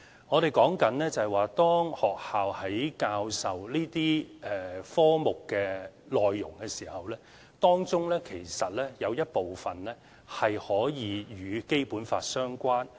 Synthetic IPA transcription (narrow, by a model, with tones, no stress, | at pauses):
ŋɔː˨˧ɾe˨jkɔː˨˥ŋkɐ˨˥nlɛː˥t͡sɐ˨hɐ˨waː˨t̪ɔː˥ŋhɔː˨k̚haː˨whɐ˨˥jkaː˧wsɐ˨wliː˥t̪iː˥ʔɛ˨fɔː˥mʊ˨kːɛː˧ | lɔː˨jːʊ˨˩ŋkɛː˧siː˨˩hɐ˨wlɛː˥ | t̪ɔː˥ŋt͡sʊ˥ŋlɛː˥kʰe˨˩jsɐ˨t̚lɛː˥jɐ˨˧wjɐ˥t̚po˨wfɐ˨nlɛː˥ | hɐ˨jhɔː˨˥jiː˨˧jyː˨˧ke˥jpuː˨˥nfa̰ː˧t̚sœː˥ŋkʷaː˥n